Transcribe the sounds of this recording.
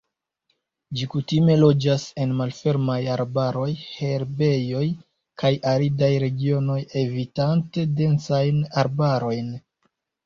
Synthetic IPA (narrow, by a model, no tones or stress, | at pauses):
d͡ʒikutime̞lo̞d͡ʒase̞nmalfe̞ɾmajaɾbaɾo̞jhe̞ɾbe̞jo̞j | kʰajaɾidajɾe̞ɡio̞no̞jevitante̞de̞nt͡sajnaɾbaɾo̞jn